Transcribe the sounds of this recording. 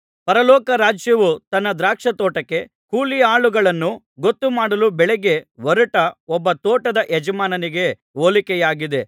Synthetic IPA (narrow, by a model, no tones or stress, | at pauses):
pɐɾɐlɔːkɐɾaːd͡ʒjɐʋut̪ɐnːɐd̪ɾaːkʂɐt̪ɔːʈɐkːe̞ | kuːlijaːɭuɡɐɭɐnːu | ɡot̪ːumaːɽɐlubɛɭɛɡe̞ʋɐɾuʈɐɔbːɐt̪oːʈɐd̪ɐʔɛd͡ʒɐmaːnɐniɡe̞ | oːlikɛjaːɡid̪e̞